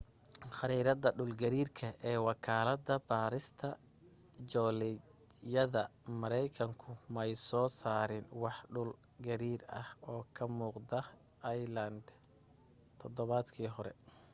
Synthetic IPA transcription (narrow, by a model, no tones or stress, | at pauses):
χɑɾiːɾɐðɐɖʊlɡɐɾiːrkʰɐʔɛːwɑkʰaːlɐd̪ɐbaːɾɪst̪ʰɐ | d͡ʒɔːlɛ | jɐðɐmɐɾɛjkʰɐŋkʰʊmɛjsɔːsaːɾɪnwɑħɖʊl | ɡɐɾiːɾɐhɔːkʰɐmuːqd̪ɐ | ʔɐjlɐnd̪ | t̪ʰɔd̪ɔβad̪kʰiːɦɔɾɛ̰